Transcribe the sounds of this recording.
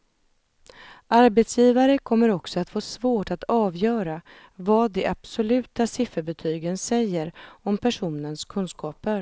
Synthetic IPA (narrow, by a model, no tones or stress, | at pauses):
ʔaɾbɛt̪sjiːvaɾəkʰɔmːəɾɔksɔat̪foːsvoːʈat̪ɑːvjœːɾa | vɑːd̪ɛʔab̥sɔlʉ̟ːt̪asɪfːəɾbɛt̪ʰyːɡənsɛjːəɾɔmpʰæʂuːnənskʰɵnskɑːpəɾ